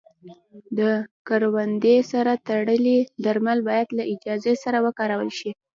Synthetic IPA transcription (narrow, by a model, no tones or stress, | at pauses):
d̪əkaɾwand̪esaɾat̪aɽəlid̪aɾmalbɑjad̪laʔɪd͡ʒɑzesaɾawəkɑɾawəlʃi